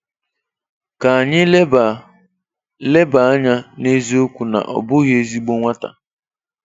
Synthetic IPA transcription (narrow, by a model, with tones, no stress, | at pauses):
ka˨a˨ɲɪ˦ | le˦ba˨a˦ɲa˦ne˦zi˦o˦kʷu˨na̰˨ʔɔ̰˨bʊ˦ɣje˦zi˦ɡ͡bo˦ŋʷa˦ta̰˨